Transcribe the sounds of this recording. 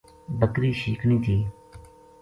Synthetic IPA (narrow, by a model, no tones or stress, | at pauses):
bəkɾiːʃiːkʰnĩːt̪ʰiː